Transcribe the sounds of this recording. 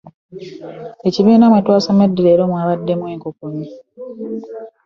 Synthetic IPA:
e̞ciβiːnamwatwaːsamedːiɾeːɾomwaːβadːe̞mwe̞ːŋkokoɲi

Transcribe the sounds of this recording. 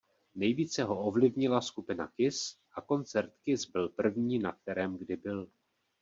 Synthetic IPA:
nɛjviːt͡sɛɦo̞o̞vlɪvɲɪlaskupɪna̰kɪsʔako̞nt͡sɛɾt̪kɪsbɪlpr̩vɲiːnak̚t̪ɛɾɛːmɡdɪbɪl

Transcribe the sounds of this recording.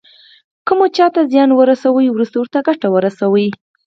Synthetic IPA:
kumot͡ʃɑt̪azjɑnwəɾasawəjwɾust̪owəɾt̪aɡaʈawəɾasawəj

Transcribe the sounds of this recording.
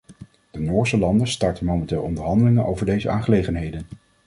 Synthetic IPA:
d̥ənʊːɹsəlɑndəstɑɹtənmowmɛntɪːlˠɔndəɹɦɑndəlɪŋənʔowvəɹdejzəa̰ːnχəlejχənɦejdən

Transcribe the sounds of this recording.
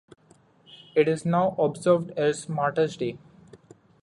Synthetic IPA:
ɪʈɪznaʊʔɔbzəɾʋɖɛzmaːʈəɾsɖe

